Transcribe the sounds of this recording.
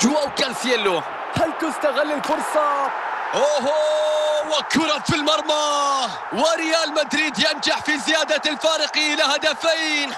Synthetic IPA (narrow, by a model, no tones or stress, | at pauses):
d͡ʒuwawkalsjalːo | halkʊst̪aɣalːɪlfʊɾˤsˤɑ | ʔoɦowakːʊɾɑt̪filmɑɾˤma | waɾɪjaːlmat̪ɾiːd̪jamd͡ʒaħfizɪjaːd̪alfaːɾɪqiːlɪhad̪afajn